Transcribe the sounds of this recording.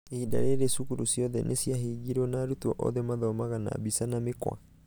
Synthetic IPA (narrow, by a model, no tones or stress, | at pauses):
ida̰ɾeɾesukuɾusiɔðɛnʔesiaɦiɡiɾwɔnaːɾutwɔʔɔ̰ðemaðɔmaɣana̰bisanamekwa̰